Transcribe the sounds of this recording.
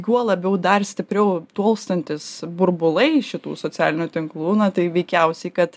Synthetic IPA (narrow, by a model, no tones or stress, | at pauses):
juɔlˠɐbʲɛʊd̪ɐrsʲt̪ʲɪpʲɾʲɛʊt̪uɔlˠst̪ɐnʲt̪ʲɪsbʊɾbʊlˠɐɪʃʲɪt̪ṵːsoːt͡sʲæːlʲɪnʲut̪ʲɪŋklˠuːnɐt̪ɐɪʋʲɛɪkʲɛʊsʲɛɪkɐt̪